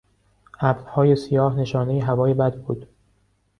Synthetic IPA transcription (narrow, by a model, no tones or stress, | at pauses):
ʔæbd̪hɒːjesijɒːhne̞ʃɒːne̞jeɦævɒːjebæd̪bṵːd̪̥